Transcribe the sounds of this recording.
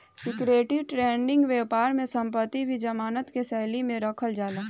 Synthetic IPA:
sɪkɾeːʈɪwʈɾeːɳɖɪ̃ŋɡʋeːpaːɾmẽsə̃mpət̪ːibʱid͡ʒɐmaːnət̪kesɛɦlimẽɾɐkʰəld͡ʒaːlaː

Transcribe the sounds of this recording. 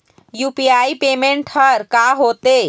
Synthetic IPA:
jupiaipemeɳʈhəɾkaɦot̪e

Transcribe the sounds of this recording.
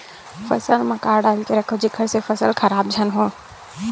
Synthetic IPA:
fʰɐsəlmɐ̃kaːɾɖaːlkeɾɐkʰod͡ʒɪkʰəɾsefɐsəlkʰɐɾaːb̚d͡ʒʱənɦõː

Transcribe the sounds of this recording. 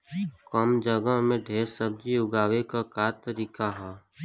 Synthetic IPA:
kɔːmd͡ʒəɡəɦmẽɖʱeːɾsəb̚d͡ʒiʊɡaːwekakaːt̪əɾiːkaɦɛː

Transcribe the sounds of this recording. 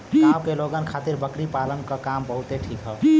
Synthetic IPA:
nawkeloɡənkʰat̪iɾbəkɾipalənkəkambəɦut̪eʈʰikɦə

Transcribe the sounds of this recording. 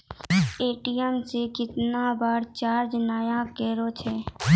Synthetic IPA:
eːʈijəmsekɪt̪nabaːɾt͡ʃaːɾd͡ʒnaːjãkɛːɾot͡ʃʰeː

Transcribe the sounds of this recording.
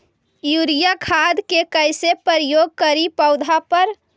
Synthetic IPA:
juɾijakʰad̪kekəɪsepəɾjoːɡ̚kəɾipəʊd̪ʱapəɾ

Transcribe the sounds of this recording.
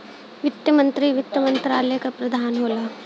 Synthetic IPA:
ʋɪt̪jəmɐ̃nt̪ɾiʋɪt̪jəmɐ̃nt̪ɾaːlekapɾɐd̪ʱaːnɦoːlaː

